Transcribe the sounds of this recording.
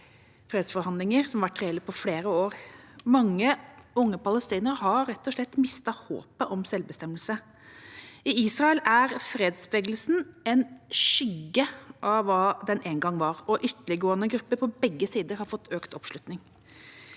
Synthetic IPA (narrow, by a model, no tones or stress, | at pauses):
fɾeːd̪sfɔɾhɑnd̪lɪŋəɾsɔmɑʋæʈːɾɛɛlːəpʰɔfleːɾəoːɾmɑŋːəʊŋːəpɑləst̪iːnəɾɦɑɾːɛt̪ːɔʂlɭɛt̪ːmɪst̪ɑho̰ːpəʔɔmsɛlbəst̪ɛmːəlsə | ɪiːsɾɑəlæɾfɾeːd̪sbʋeːɡl̩sn̩ɛnʃʏɡːəʔɑʋɑːd̪ɛnʔeːnɡɑŋːʋɑɾɔʔʏt̪ːəlɪɡoːənəɡɾʉpːəɾpʰɔbɛɡːəsiːd̪əɾhɑɾfɔt̪ʰːøːkt̪ɔpʂlʉt̪nɪŋ